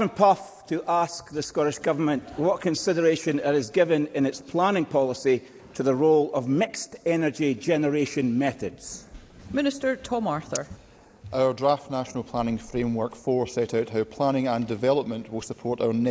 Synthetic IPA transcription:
və̃npʰʌf | tʰəʔask̚ðəskɔɾɪʃɡ̥ʌvə˞mə̃nʔwɔʔkʰə̃nsɪdə˞eʃə̃nɪɾɪzɡɪvə̃nɪ̃nɪtspʰl̥ãnɪ̃ŋpʰɔlˠəsi | tʰəðəɹolˠəvmɪkstɛnə˞d͡ʒid͡ʒɛnə˞eʃə̃nmɛθədz̥ | mɪ̃nɪstə˞tʰɔmaɹθə̰˞ | ʔaʊə˞dɹaftnaʃənəlˠpʰl̥ãnɪ̃ŋfɹẽmwɜ˞kfɔɹsɛʔaʊʔhaʊpʰl̥anɪ̃ŋə̃ndɪvɛlˠəp̚mə̃nʔwɪlˠsəpʰɔɹʔaʊə˞nɛ

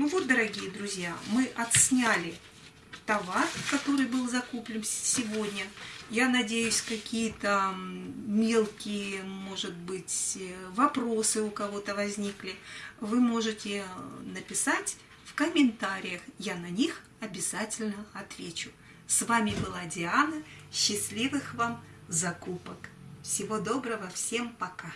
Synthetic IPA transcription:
nuvo̞t̪̚d̪əɾɐɡʲijəd̪ɾʊzʲjamɨʔɐt̪sʲnʲalʲɪ | t̪ɐvarkɐt̪o̞ɾɨjbɨlˠzɐkuplʲɪnsʲɪvodʲnʲəjanɐdʲejʊsʲkɐkʲijət̪ə | mʲe̞lˠkʲɪjəmo̞ʐɨt̪̚bɨtʲvɐpɾo̞sɨʊkɐvo̞t̪əvɐzʲnʲiklʲɪvɨmo̞ʐɨtʲɪnəpʲɪsatʲ | fkəmʲɪnt̪aɾʲɪjəxjanɐnʲix | ɐbʲɪz̥atʲɪlʲnəɐt̪vʲet͡ɕʊ | svamʲɪbɨlˠadʲɪanəɕːɪsʲlʲivɨxvam | zɐkupək | fsʲɪvo̞d̪o̞bɾəvəfsʲe̞mpɐka

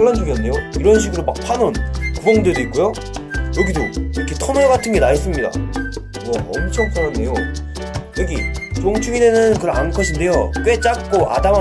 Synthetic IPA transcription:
ɭːand͡ʑuɡjʌnːe̞joiɾʌnɕ̬ʰiɡɯɾomak̚pʰanonkubʌŋdwedoik͈ojo | jʌɡidoʌkʰetʰonoeɡatʰɯnɡe̞naɦes͈ɯmɲida̰ | mʌʌmt͡ɕʰʌŋpʰaɭːande̞jo | jʌɡḭt͡ɕoŋt͡ɕʰuɡidenɯnkɯɾʌankʰʌɕʰinde̞jok͈we̞t͡ɕ͈ak̚k͈oʔa̰dam

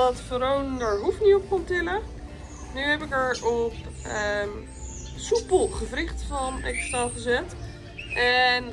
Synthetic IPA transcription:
ɑtfoɾowndɛɹɦufniɔp̚kontɪlə | nyɦɛpɪkɛɹɔpə | supəlˠχəvrɪχtfɑnɛ̰kstaχəzɛt | ʔɛn

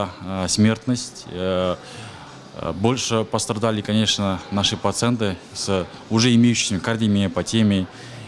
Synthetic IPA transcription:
sʲmʲe̞rt̪nəsʲtʲ | bo̞lʲʂɨpəst̪ɾɐd̪alʲɪkɐnʲe̞ʂnənaʂɨpɾɐt̪sɨɛnt̪̬ɨ | s | ʊʐɛɪmʲejʉɕɪ̥jsʲəmʲɪkard̪ʲimʲɪpɐtʲemʲɪ

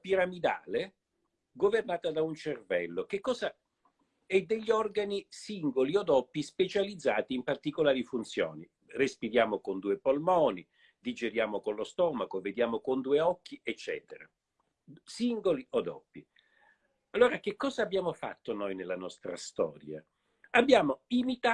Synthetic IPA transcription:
piɾamid̪aːle | ɡovernaːt̪ad̪aunt͡ʃervɛlːokekːɔːza | ɛd̪ːeʎːiɔrɡanisiŋɡoliod̪ɔpːispet͡ʃalid̪zːaːt̪iːmpart̪ikolaːɾifunt̪sjo̰ːni | respiɾjaːmokond̪uːepolmɔːni | d̪id͡ʒeɾjaːmokonlost̪ɔːmakoved̪jaːmokond̪uːeɔkːiet͡ʃːɛ̰ːt̪eɾa | siŋɡoliod̪ɔ̰pːi | alːoːɾak̟ekːɔːzaːbːjaːmofa̰t̪ːonojnelːanɔst̪ɾa̰st̪ɔ̰ːɾja̰ | abːjaːmoimit̪a

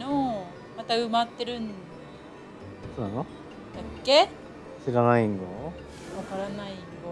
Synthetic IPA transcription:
o | mat̪aɯ̟mat̪ːe̞ɾɯ̟̃nd̪ | soːnano | d̪̥akːe | ɕiɾanaiŋɡo | βakaɾanaiiŋɡo

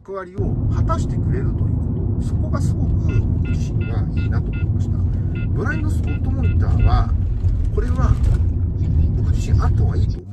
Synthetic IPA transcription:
kɯ̟β̞aɾʲio̞hat̪aɕi̥t̪e̞kɯ̟ɾe̞ɾɯ̟t̪o̞jɯ̟ːko̞t̪o̞so̞ko̞ɡasɨɡo̞kɯɡod͡ʑiɕĩŋɡaiːnat̪o̞mo̞oimaɕi̥t̪a | bɯ̟ɾainːo̞sɾot̪ːo̞moɲʲit̪a̰ːβa | ko̞ɾe̞βa | oɡod͡ʑiɕĩŋʔat̪ːoβaiːt̪o

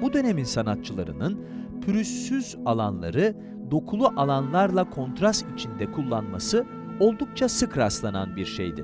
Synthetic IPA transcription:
bud̪ø̞ne̞minsanat̪̚t͡ʃʰɯlˠa̰ɾɯ̰nɯn | pʰyɾysːyzalˠanlˠa̰ɾɯ | d̪o̞kʰulˠuʔalˠanlˠaɾlˠakʰo̞nt̪ɾast̪it͡ʃʰind̪ɛkʰulˠːanma̰sɯ | o̞lˠd̪uk̚t͡ʃʰasɯkɾast̪lˠana̰nbiɾʃḛjd̪ɪ̰

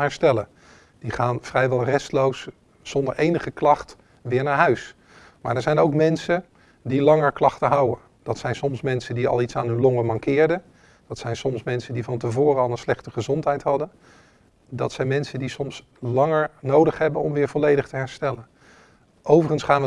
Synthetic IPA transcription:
ɦɛɹstɛlə | d̥iχaːnv̥rɛjʋɛlˠrɛstlowsː | ɔndəɹʔejnəχəklɑχt | ʋɪːɹnaːɹɦœɥs | maːɹdəɹzɛjnowkmɛnsən | dilɑŋəɹklɑχtəɦɑwən | d̥ɑtsɛjnsɔmsmɛnsəndiɑ̰lˠitsaːnɦɵnlɔŋəmɑŋkɪːɹdə | d̥ɑtsɛjnsɔmsmɛnsəndivɑnt̬əvʊːrəɑlˠənslɛχtəχəzɔntɦɛjtɦɑdən | dɑtsɛjnmɛnsədisɔms | lɑŋəɹnowdəχɦɛbənɔ̰mʋɪːɹvɔlejdəχtəɦɛɹstɛlən | ʔowvərənsχaːnʋə

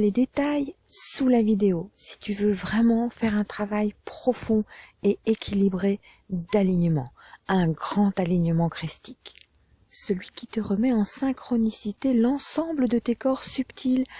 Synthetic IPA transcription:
led̪et̪aj | sulavid̪eosi̥t̪yvøvʁɛmɑ̃fɛʁɛ̃t̪χavajpχɔfɔ̃eekʲʰilibʁe | d̪aliɲəmɑ̰̃ɛ̃ɡʁɑ̃t̪aliɲəmɑ̃kχist̪i̥k | səlɥikʲit̪əʁəmɛɑ̃sɛ̃kχɔnisit̪elɑ̃sɑ̃bləd̪ət̪ekɔʁsypt̪ʰil

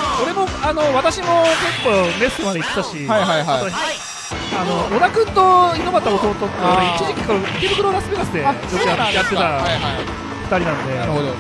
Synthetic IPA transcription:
o̞ɾe̞mo̞ano̞βat̪aɕimo̞kekːome̞st̪ɯmad̪e̞it̪ːet̪aɕiajɦajaaoçiai | ano̞onakɯ̟̃nt̪oino̞mat̪ːaot̪o̞ːt̪ot̪ːeit͡ɕiʑikʲi̥koɾot̪ʲibɯ̟kɯɾoɾasɨbinasɨd̪e̞t͡ɕoojat̪ːe̞t̪aaa | ɸɯ̥t̪aɾʲinãnod̪e̞aɾoo

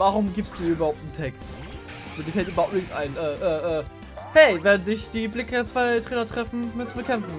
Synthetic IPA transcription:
vaʁʊmɡiːpstd̥uːyːbɐhaʊp̚tn̩tʰɛkst | ʔazodiɐfɛltʔyːbɐhaʊpnɪksʔa̰ɪnʔɛːʔɛːʔɛː | hɛɪvɛɐdn̩zɪçd̥iːblɪkət͡sv̥aɪtʁ̥eːnɐtʁ̥ɛfn̩mʏsn̩viːɐkʰɛmfn̩

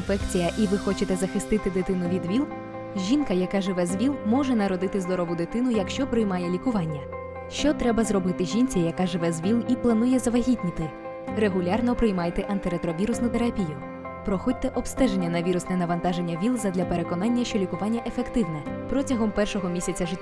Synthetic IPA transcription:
nfɛkt͡sʲijɐʔiʋɪxɔt͡ʃɪt̪ɛzɐxɪst̪ɪt̪ɪd̪ɪt̪ɪnʊʋʲid̪ʋʲilˠ | ʒʲinkɐjɐkaʒɪʋɛzʋʲilˠmɔʒɛnɐɾɔd̪ɪt̪ɪzd̪ɔɾɔʋʊd̪ɪt̪ɪnʊjɐkʃt͡ʃɔpɾɪjmɑjɛlʲikʊʋɑnʲːɐ | ʃt͡ʃɔt̪ɾɛbɐzɾɔbɪt̪ɪʒʲinʲt͡sʲijɐkaʒɪʋɛzʋʲilˠiplˠɐn̪ujɛzɐʋɐɦʲitʲnʲit̪ɪ | ɾeɦʊlʲɑrnɔpɾɪjmɑjt̪ɛʔɐnt̪ɪɾet̪ɾɔʋʲiɾʊsnʊt̪eɾɐpʲijʊ | pɾɔxɔdʲt̪ɛʔɔbst̪ɛʒenʲːɐnɐʋʲiɾʊsnɛnɐʋɐnt̪ɑʒenʲːɐʋʲilˠzɐd̪lʲɐpe̞ɾe̞kɔnɑnʲːɐʃt͡ʃɔlʲikʊʋɑnʲːɐʔefekt̪ɪwnɛpɾɔtʲɐɦɔmpɛrʃɔɦɔmʲisʲɐt͡sʲɐʒɪtʲː

